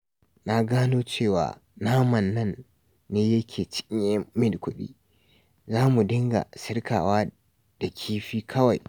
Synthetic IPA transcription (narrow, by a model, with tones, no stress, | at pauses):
na˦ɡaː˦noː˦t͡ʃeː˦˨wa̰ː˨naː˦mɐ˨nːɐ˦˨nː | eː˦jɐ˦kʲʰeː˨t͡ʃɪ̥˦ʔʲɪ˦ɲe˦mɪ˦dkʷʊ˦ɗḭː˦ | zaː˦mu˨dɪ˦ŋɡa̰˨sɪ˦rkʰa̰ː˨waː˦ | d̥a˨kʲʰiː˦ɸiː˦kʰɐ˦wa˨j